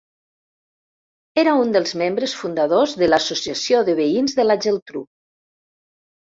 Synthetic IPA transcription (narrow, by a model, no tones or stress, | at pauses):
eɾaund̪əlˠzmembɾəsfund̪aðozðəlasosiasjoðəβəinzðəlaʒelˠt̪ɾṵ